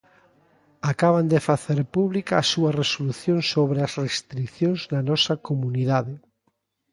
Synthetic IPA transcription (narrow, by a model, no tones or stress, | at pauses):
akaβand̪efaθeɾpuβlikaːsuaresoluθjõŋsoβɾeasrest̪ɾikθjõŋznanɔsakomuniðaðe